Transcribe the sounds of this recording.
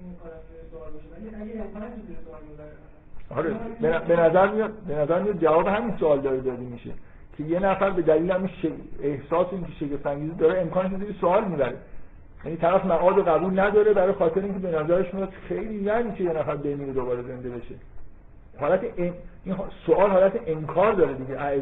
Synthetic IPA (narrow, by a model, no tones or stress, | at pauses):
kː | lmibɾ | ɒːɾebenæbe̞næzæɾmijɒd̪̚be̞næzæɾmijɒd̪̚d͡ʒævɒːbeɦæminsoɒːld̪ɒːɾed̪ɒːd̪emiʃḛ | cʰe̞je̞næfæɾbe̞d̪æliːlehæmiʃeehsɒːseiːŋcʰeʃe̞cʰeft̪æɲɟiːzid̪ɒːɾeemkʰɒːneʃeziɾʰisoɒːlmiːbæɾḛ | jæ̰niːt̪ʰæɾæfmæʔɒːd̪oɣæbuːlnæd̪ɒːɾebæɾɒjxɒːt̪ʰe̞ɾeinŋcʰee̞næzæɾeʃmijɒd̪̥xejliːjæniːkʰejenæfæɾbe̞miːɾed̪obɒːɾeze̞nd̪e̞be̞ʃe | hɒːlæt̪ʰeʔeinɦsoʔɒːlɦɒːlæt̪ʰeʔenkʰɒːɾd̪ɒːɾed̪iɟeʔæe